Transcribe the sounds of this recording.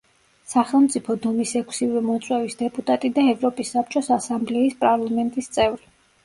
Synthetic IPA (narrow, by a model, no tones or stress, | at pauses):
saχɛlˠmt̪sʼipʰɔd̪ɔmisɛkʷʰsivɛmɔt̪sʼwɛvisd̪ɛpʼut̪ʼat̪ʼid̪aɛvɾɔpʼisːap̚t͡ʃʼɔsasamblɛispʼaɾlˠamɛnt̪ʼist̪sʼɛvɾi